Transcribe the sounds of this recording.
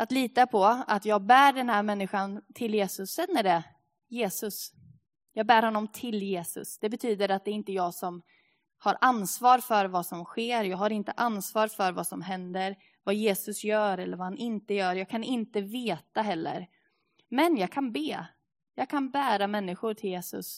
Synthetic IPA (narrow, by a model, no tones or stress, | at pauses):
ʔat̪liːt̪apʰɔat̪jɑːɡ̚bæːɖɛnhæːɾmɛnːɪɧant̪ʰɪljeːsɵsːɛnːæɖɛ | jeːsɵs | jɑːɡ̚bæːɾhɔnːɔmt̪ʰɪljeːsɵ̰sd̪̥ɛbɛt̪ʰyːd̪əɾat̪̚d̪ɛæɾɪnt̪əjɑːɡsɔm | haɾʔansvɑːɾfœɾvasɔmɧeːɾjɑːɡhaɾɪnt̪əʔansvɑːɾfœɾvasɔmɦɛnd̪əɾ | vajeːsɵsjœːɾɛlːəɾvahanʔɪnt̪əjœːɾjɑːɡ̚kʰanɪnt̪əveːt̪aɦɛlːə̰ɾ | mɛnjɑːɡ̚kʰanbeː | jɑːɡkʰanbæːɾamɛnːɪɧʊʈʰɪljeːsɵ̰s